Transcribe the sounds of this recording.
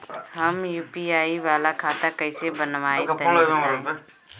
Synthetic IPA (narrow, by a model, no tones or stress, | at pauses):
hɐmjuːpiaːiʋaːlakʰaːt̪akɐisebənʋaːet̪ː